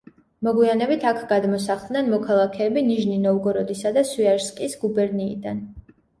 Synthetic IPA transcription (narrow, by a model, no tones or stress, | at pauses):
mɔɡwianɛbit̪ʰakʰɡad̪mɔsaχd̪nɛnmɔkʰalˠakʰɛːbiniʒninɔvɡɔɾɔd̪isad̪aswiaɾskʼisɡubɛɾniːd̪an